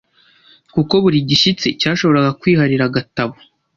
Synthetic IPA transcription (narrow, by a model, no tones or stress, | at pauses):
kuko̞βuɾiɟiʃit͡se̞caːʃo̞βo̞ɾaɡakwiːhaɾiɾaɡataβo̥